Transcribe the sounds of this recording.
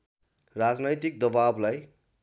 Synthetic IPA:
rad͡znʌjt̪ik̚d̪ʌbablaj

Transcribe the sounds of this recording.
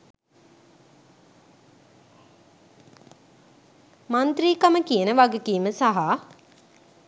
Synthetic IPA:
mant̪riːkaməkijənəʋaɡekiːməsaɦa

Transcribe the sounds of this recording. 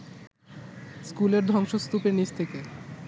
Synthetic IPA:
skuleɾd̪ʱɔŋʃost̪upeɾnist̪ʰeke

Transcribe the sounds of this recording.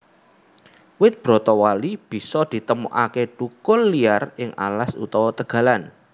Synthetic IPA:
wɪt̪̚b̥ɾɔ̤t̪ɔwalib̥i̤sɔd̪̥i̤t̪əmuʔakeʈukʊlːiarɪŋʔa̰lasṵt̪ɔwɔt̪əɡ̥ä̤lan

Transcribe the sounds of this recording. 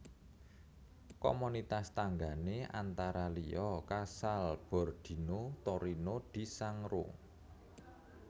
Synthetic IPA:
ko̰munit̪ast̪aŋɡaneʔa̰nt̪aɾaliɔkasalb̥ɔ̤rd̪̥i̤not̪oɾinod̪̥i̤saŋɾoŋ

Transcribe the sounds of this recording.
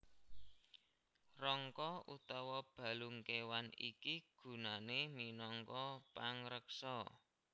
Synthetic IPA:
rɔŋkɔut̪ɔwɔb̥ä̤luŋkewanḭkiɡ̥ṳnaneminɔŋkɔpaŋɾəksɔ

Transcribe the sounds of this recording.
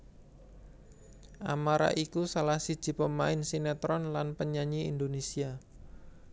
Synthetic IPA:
ʔamaɾa̰ʔikusalahsi̥ʒ̥i̤pəmaɪnsinɛt̪ɾɔnlanpəɲaɲiind̪onesia

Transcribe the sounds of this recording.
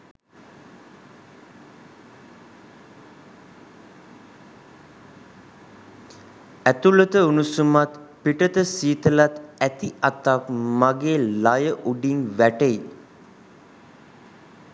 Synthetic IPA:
æt̪ulət̪əunusumat̪piʈət̪əsiːt̪əlat̪æt̪iʔat̪akmaɡeːlajəʔuɖiŋʋæʈəi

